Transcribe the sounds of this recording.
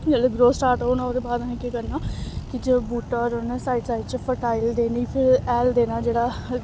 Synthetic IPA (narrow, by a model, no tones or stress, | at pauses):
d͡ʒeːleːɡɾoːsʈaːɾʈɦoːnãːod̪eːbaːd̪əɦẽːkikəɾnaːkɪd͡ʒbuːʈɔːɾonsaːɪʈsaːɪʈt͡ʃəpʰəʈaːɪld̪eːniːpʰɪɾɛːld̪eːnaːd͡ʒeːɽaː